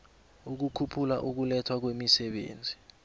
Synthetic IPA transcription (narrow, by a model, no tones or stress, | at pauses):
uk̬ukʰupʰula̰ʔuk̬ulɛtʰwak̬wemisɛɓḛːnd͡zʱi